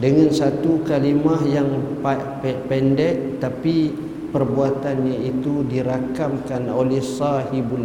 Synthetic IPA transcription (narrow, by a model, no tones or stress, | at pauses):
dəŋansat̪ukalimahjaŋpa | pɛpɛndɛʔt̪api | pərbuat̪anɲait̪udiɾakamkanolɛhsahibul